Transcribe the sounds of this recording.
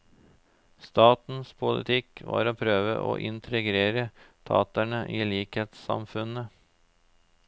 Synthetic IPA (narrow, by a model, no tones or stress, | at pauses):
st̪ɑːt̪n̩spʰʊlɪ̰t̪ʰɪkʋɑ̰ːɾoːpʰɾøːʋə̰ʔo̰ːʔɪnt̪ʰɾəɡɾeːɾət̪ʰɑ̰ːt̪æɳəʔiːliːkheːt̪sɑ̰mfʉnə